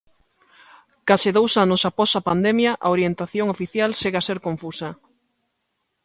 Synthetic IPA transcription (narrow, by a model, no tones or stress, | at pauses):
kasɪðowsanʊsapɔsapand̪emjɐʔaoɾjent̪aθjoŋofiθjalʃeɣaseɾkoɱfusɐ